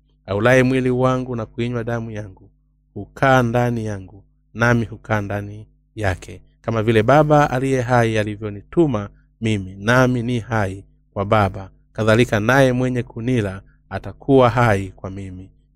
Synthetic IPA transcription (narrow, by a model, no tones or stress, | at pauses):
aulaimwiliwaŋɡunakuiɲwaɗamujaŋɡu | hukʰaːndanijaŋɡu | namihukaːndani | jakʰɛ | kamavilɛɓaɓaa̰lijɛɦaialivjɔnituma | miminaminihai | kwaɓaɓa | kaðalikanajɛmwɛɲɛkunilaː | takʰuwaɦaikwamimi